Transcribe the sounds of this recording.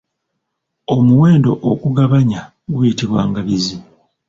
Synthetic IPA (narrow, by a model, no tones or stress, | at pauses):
o̞muwe̞ːndo̞ʔokuɡaβaɲa | ɡujitiβwaːŋɡaβizi